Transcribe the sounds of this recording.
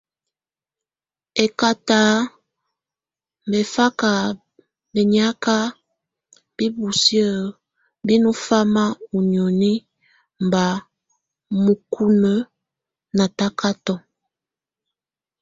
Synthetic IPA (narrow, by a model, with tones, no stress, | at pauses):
e˨ka˨ta˦ | m˨be˨fa˦ka˨ | be˨ɲi˦a˦ka˦ | b̥i˦bu˨sjə˦˨ | bi˦nu˦fa˦ma˦u˨njo˨ni˦ | m˨ba˨ | mu˨ku˦nə˦ | na˨ta˦ka˦tɔ˦